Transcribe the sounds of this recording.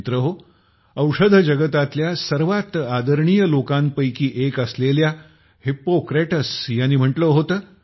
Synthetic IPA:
t̪ɾəɦo | əwʂəd̪ʱəd͡ʑəɡət̪at̪ljasəɾʋat̪ad̪əɾɳijəlokampəjkiːʔekəslelja | hipokɾeʈəsjanːiːm̤əʈləɦot̪əː

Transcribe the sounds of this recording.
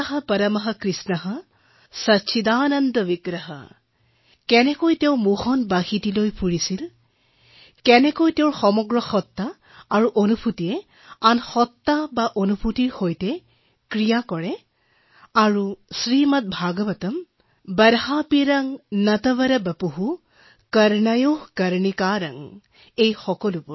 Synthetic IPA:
ɐɦɐpɐɾɐmɐɦɐkɾisnɐɦɐ | sɐtːʃʰid̪aːnɐnd̪ɔʋiɡɾɐɦɐ̰ | kɛnɛkojtewmuhɔnbahitilojpʰuɹisil | kɛnɛkojtewɹxɔmɔɡɹɔxɔt̪ːaː | ɹuʔonupʰut̪ijɛ | anxɔt̪ːabaʔonupʰutiɹxojtɛ | kɹijakɔɹɛ | aɹusɹimat̪̚bʱaɡɔbɐtɔm | bəɾhapiɾaŋnɐtɐβɐɾɐbəpuɦu | kəɾnajohkəɾnikaɾa̰ŋ | ejxɔkɔlupʊɹ

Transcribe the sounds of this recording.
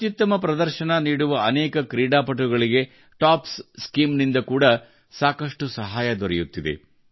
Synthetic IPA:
ɐt̪jut̪ːɐmɐpɾɐd̪ɐɾʃɐnɐniːɽuʋɐɐnɛːkɐkɾiːɽaːpɐʈ̬uɡɐɭiɡe̞ | ʈaːpsskiːmnind̪ɐkuːɽɐ | saːkɐʂʈusɐɦaːjɐd̪ɔɾɛjut̪ːid̪e̞̰

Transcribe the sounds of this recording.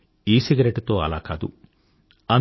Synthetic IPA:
iːsiɡɐɾeʈt̪oːɐ̰la̰ːkaːd̪ṵ | ɐn

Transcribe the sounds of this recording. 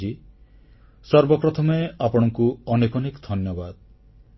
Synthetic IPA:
d͡ʒi | sɔɾbɔpɾɔt̪ʰɔmɔeapɔɽ̃ɔŋkuɔnekɔnekd̪ʱɔnjɔbad̪

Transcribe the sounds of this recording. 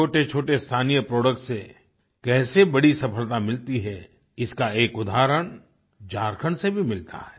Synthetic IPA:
oːʈet͡ʃʰoːʈest̪ʰaːnijəpɾoːɖək̚ʈse | kɛːsebɐɽisɐpʰəlt̪amɪlt̪iɦɛ | ɪskaeːkʊd̪ʱaːɾəɽ̃ | d͡ʒaːɾkʰəɽ̃sebʱimɪlt̪a̰ɦɛː

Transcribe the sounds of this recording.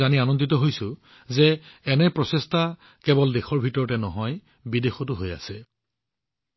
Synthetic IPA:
anianɔnditɔɦojsʊ̃ | zɛːnɛpɹɔsesta | kɛbɔldexɔɹbʱitɔɹɔtɛnɔɦɔj | bidexɔtʊɦoja̰sɛ

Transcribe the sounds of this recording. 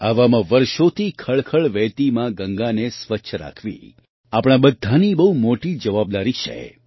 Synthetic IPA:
aʋamãʋəɾʃot̪ʰikʰəɭkʰəɭʋɛt̪imãɡə̃ŋɡanesʋətːʃʰəɾa̰kʰʋḭ | apɽ̃abəd̪ʱːanibəɦumoʈid͡ʒəʋab̚d̪aɾit͡ʃʰḛ

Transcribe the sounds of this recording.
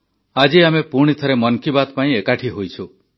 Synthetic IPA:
ad͡ʒiamepuɽ̃it̪ʰɔɾemɔnkibat̪paĩekaʈʰiɦojt͡ʃʰu

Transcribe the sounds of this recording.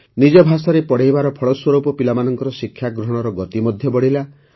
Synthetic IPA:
nid͡ʒɔbʱasaɾepɔɽeɦjbaɾɔpʰɔɭɔswɔɾupɔpilamanɔŋkɔɾɔsikʰjaɡɾɔɦɔɽ̃ɔɾɔɡɔt̪imɔd̪ʱjɔbɔɽila

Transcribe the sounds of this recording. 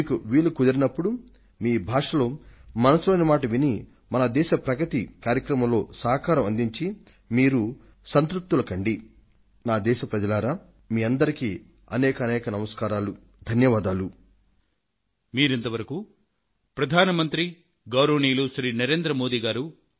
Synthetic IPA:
iːkuʋiːɭukud̪ɐɾinɐpːuɽu | miːbʱaːʂɐloːmɐnɐsuloːjnɐmaːʈɐʋini | mɐnɐd̪ɛːʃɐpɾɐɡɐt̪ikaːɾjɐkɾɐmɐmlo̞ːsaːɦkaːɾɐmɐnd̪iɲt͡ʃi | miːɾu | sɐnt̪ɾup̚t̪ːulɐkɐɳɖi | naːd̪ɛːʃɐpɾɐd͡ʒɐlaːɾaː | miːɐnd̪ɐɾiki | ɐ̰nɛːkɐnɛːkɐnɐmɐskaːɾaːlu | d̪ʱɐnjɐʋaːd̪aːlu | miːɾent̪ɐʋɐɾɐku | pɾɐd̪ʱaːnɐmɐnt̪ɾi | ɡɐwɾoːniːluʃɾiːnɐɾeːnd̪ɾɐmo̞ːd̪iːɡaːɾu

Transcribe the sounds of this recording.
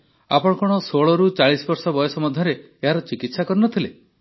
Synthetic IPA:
a̰pɔɽ̃ɔkɔɽ̃ɔsoɭɔɾut͡ʃaɭisɔbɔɾsɔbɔjɔsɔmɔd̪ʱjɔɾe | eɦaɾɔt͡ʃikit̪sakɔɾinɔt̪ʰile

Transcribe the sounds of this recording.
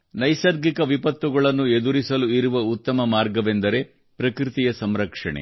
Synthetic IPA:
nɐjsɐɾɡikɐʋipɐt̪ʋuɡɐɭɐnːued̪uɾisɐluiɾuʋɐut̪ːɐmɐmaːɾɡɐʋend̪ɐɾe̞ | pɾɐkɾit̪ijɐsɐmɾɐkʂɐɳḛ

